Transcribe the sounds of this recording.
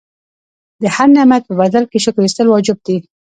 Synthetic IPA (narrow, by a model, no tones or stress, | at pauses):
d̪əhaɾnamat̪̚pəbad̪alkeʃəkɾist̪əlwɑd͡ʒɪb̚d̪i